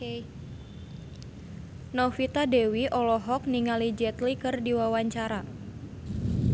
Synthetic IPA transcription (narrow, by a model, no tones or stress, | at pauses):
nɔfit̪adewiʔɔlɔɦɔk̚niŋalid͡ʒɛt̪likɨrdiwawaɲt͡ʃaɾa